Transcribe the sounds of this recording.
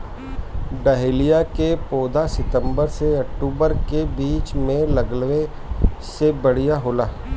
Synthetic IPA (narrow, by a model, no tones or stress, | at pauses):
ɖəɦeːlijakepoːd̪ʱasɪt̪ə̃mbəɾseɐk̚ʈuːbəɾkebiːt͡ʃmẽlɐɡlʋe | sebɐɽ̤ijaɦoːlaː